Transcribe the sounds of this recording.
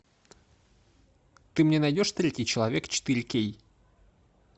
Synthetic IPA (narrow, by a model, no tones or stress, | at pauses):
t̪ɨmnʲɛnajdʲɔʂt̪ɾʲɛtʲijt͡ʃɐlˠavʲɛkt͡ʃɨ̥t̪ɨɾʲkʲej